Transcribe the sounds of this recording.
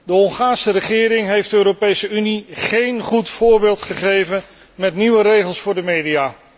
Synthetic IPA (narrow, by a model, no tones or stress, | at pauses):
dəɔnχaːnsərəχɪːɾɪŋɦejfdəøːɾopejsəyniχejnχutfʊːɹbɪːlˠtχəχejvən | mɛtniʋəɾejχəlˠsfʊːɹdəmejdijaː